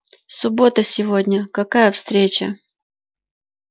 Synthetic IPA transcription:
sʊbo̞t̪əsʲɪvo̞dʲnʲəkɐkajəfst̪ɾʲet͡ɕə̰

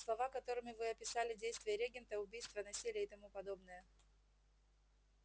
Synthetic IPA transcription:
slˠɐvakɐt̪o̞ɾɨmʲɪvɨɐpʲɪsalʲɪdʲejst̪vʲɪjəɾʲeɡʲɪnt̪əʊbʲijst̪vənɐsʲilʲɪjəɪt̪ɐmupɐd̪o̞bnɨjə

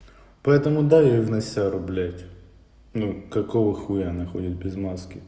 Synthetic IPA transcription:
pɐɛt̪əmʊd̪ajoixnɐsʲaɾʊblʲætʲ | nukɐkoʋɨxʊjanɐxodʲɪt̪̚bʲɪzmaskʲɪ

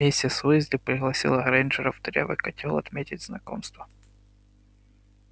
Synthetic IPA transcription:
esʲtʲɪsujɪzʲdʲɪpɾʲɪɣlˠɐsʲḭlˠɐɣɾɛnʲʐɨɾɐvd̪ɾʲɛ̰vɨ̰kɐtʲilˠɐt̪mʲetʲɪdʲznɐko̰mst̪və

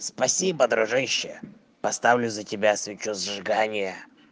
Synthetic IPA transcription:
spɐsʲibəd̪ɾʊʐɨɕːɪjə | pɐst̪avlʲʊzətʲɪbʲasvʲɪt͡ɕuzʐɨɡanʲɪjə

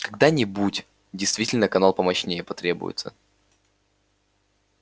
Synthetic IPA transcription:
kɐɡ̚d̪anʲɪbutʲ | dʲɪjst̪vʲitʲɪlʲnəkɐnalˠpəmɐɕnʲejəpɐt̪ɾʲe̞bʊ̰jɪ̰t̪sə̰

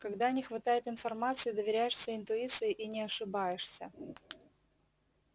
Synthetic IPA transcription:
kɐɡd̪anʲɪxvɐt̪ajɪt̪ɪnfɐrmat̪sɨjɪd̪əvʲɪɾʲæjɪʂsʲəɪnt̪ʊit̪sɨjɪʔinʲɪɐʂɨbajɪʂsʲə

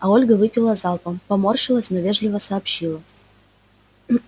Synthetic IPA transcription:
ɐo̞lʲɡəvɨpʲɪlˠəzɑlˠpəpɐmo̞rʂɨlˠəsʲnɔvʲe̞ʐlʲɪvəsɐːpɕilˠə

